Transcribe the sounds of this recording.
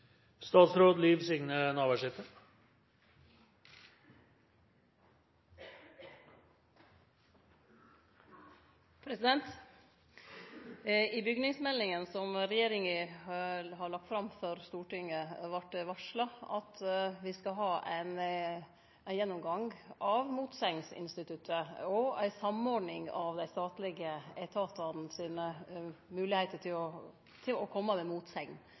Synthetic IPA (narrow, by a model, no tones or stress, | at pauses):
st̪ɑːt̪sɾoːd̪liːʋsʏŋnənɑːʋæʂɪt̪ə | pʰɾɛsɪd̪ɛnt̪ | ɪbʏɡnɪŋsmɛlːɪŋənsɔmɾɛjeːɾɪŋə | hɑɭɑk̚t̪fɾɑmfɔɾst̪uːʈɪŋəʋɑʈːʋɑʂlɑɑt̪ʋɪskɑɦɑːʔæ̰ɪn | æɪjɛnːʊmɡɑŋʔɑʋmuːt̪sɛŋnsɪ̰nst̪ɪt̪ʰʉt̪əɔæɪsɑmɔɖnɪŋɑʋd̪æɪst̪ɑːt̪lɪɡəæt̪ʰɑːt̪ɑnn̩siːnəmʉːlɪhæɪt̪əʈʰɪlɔ | t̪ʰɪlɔkʰɔmːəmɛmuːt̪sɛŋn